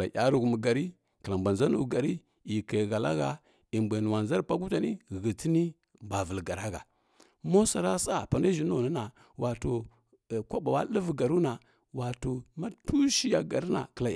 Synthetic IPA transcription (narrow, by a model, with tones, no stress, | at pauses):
la˨ja˦ɾu˨ɣmu˨ɡa˨ɾi˦ | kə˨la˨mba˨nza˦nu˨ɡa˨ɾi˦ | i˨ka˨ɣa˨la̰˦ɣa˨ | i˨mba˨nu˨wa˨nza˦ɾpa˦ɡu˦ta˨ni˦˨ɣə˨ti˦ni˦ | mba˨və˨lɡa˨ɾa˦ɡa̰˨ | mo˦sa˨ɾa˦sa˦pa˨na˦ʒi˨n˦o˦˨nə˦na˨ | wʔa˨to˨ | kʷa˦ba˨wa˦lə˦vɡa˨ɾu˦na˨ | wa˨to˨ma˦tu˦ʃi˦ja˨ɡa˨ɾi˦na̰˨kə˨la˨